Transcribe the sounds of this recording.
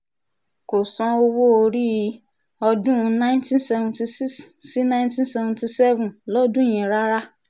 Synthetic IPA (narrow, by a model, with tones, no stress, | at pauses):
ko˨sɔ̃˧o˦wo˦o˧ɾi˦ | ɔ˧dũ˦˧nã˦ɪ̃˦ntĩ˦n̩˦sɛ˨vɔ̃˨nti˨si˦ssi˦nã˦j̃ntĩ˦n̩˦sɛ˨vɔ̃˨nti˨sɛ˦vũ˨nlɔ˦dũ˦jĩ˨ɾa˦ɾa˦